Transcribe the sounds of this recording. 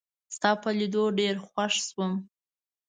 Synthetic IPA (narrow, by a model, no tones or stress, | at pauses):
st̪ɑpəlid̪oɖeɾxwaʂswəm